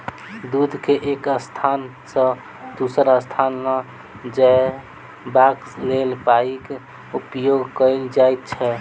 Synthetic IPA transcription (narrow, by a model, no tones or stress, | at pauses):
d̪ud̪ʱkeʔekəst̪ʰan | sə̃ | d̪usəɾəst̪ʰanːə | d͡ʒa | baklelpaike | upjoɡkəɪld͡ʒajt̪̚t͡ʃʰɛ